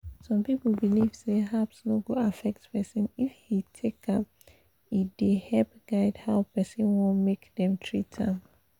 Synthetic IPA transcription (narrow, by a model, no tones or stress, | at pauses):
sɔ̃mpip̩biliv̥seɦapsloɡoafɛk̚tpɛsĩnifhitʰekʰap | idehɛlpɡ̥aɪdhaʊpɛsĩnwɔ̃nmekdɛ̃mtʰɹitʰãm